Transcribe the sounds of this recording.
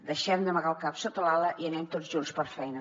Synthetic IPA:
d̪əʃɛmd̪əməɣalˠkapsot̪əlaləʔiənɛmt̪ozʒunspəɾfɛjnə

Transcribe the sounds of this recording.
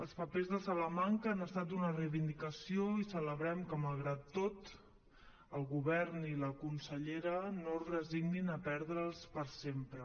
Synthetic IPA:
əlˠspəpezðəsaləmaŋkəːnəst̪at̪̬unərəjβind̪ikəsioisələβɾɛmkəməlˠɣɾat̪ːot̪ | əlˠɣuβɛɾniləkunsəʎeɾənorəziɡninəpɛɾðɾəlˠspəɾsempɾə

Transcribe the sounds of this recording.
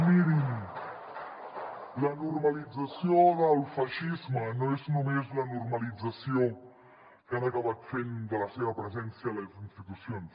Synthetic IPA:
miɾin | lɐnuɾmɐlid͡zɐsjoðɐlˠfaʃizmɐnõesnumezlɐnuɾmɐlid͡zɐsjo | kanɐkaβat̪fend̪əlɐseβɐpɾəzɛnsjɐlɐzinst̪it̪usjons

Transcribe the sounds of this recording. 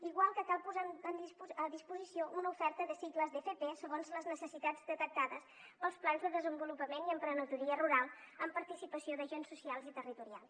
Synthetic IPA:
iɣwalˠkəkalˠpuzaənd̪izəðispuzisioʔunəufɛɾt̪əðəsikləzðefepesəɣonzləznəsəsit̪ad͡zd̪ət̪ək̚t̪aðəs | pəlˠsplanzðəðəzəmbulupəmeniəmpɾənət̪uɾiəruɾalˠəmpəɾt̪isipəsioðəʒensːusialˠzit̪ərit̪uɾia̰lˠs

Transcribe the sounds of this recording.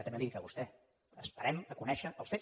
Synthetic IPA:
t̪ɛməliikəβust̪ɛ | əspəɾɛməkunɛʃəʔəlˠsfe

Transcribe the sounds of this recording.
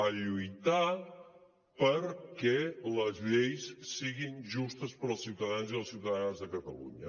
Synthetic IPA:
əʎujt̪a | pəɾkɛləzʎejssiɣinʒust̪əspəɾlˠsiwt̪əðanziəlˠsiwt̪əðanzðəkət̪ə̰lṵɲə

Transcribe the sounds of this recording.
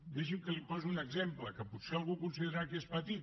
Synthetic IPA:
d̪ɛʃimkəlipɔzunəɡzempləkəput̪sealˠɣukunsiðeɾakiespət̪it̪

